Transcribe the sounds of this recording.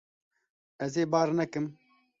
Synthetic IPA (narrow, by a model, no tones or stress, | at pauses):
ɛzeːbaːɾnɛkɨm